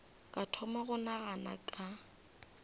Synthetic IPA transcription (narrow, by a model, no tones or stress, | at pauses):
kʼatʰɔmaɣʊnaɣana̰kʼa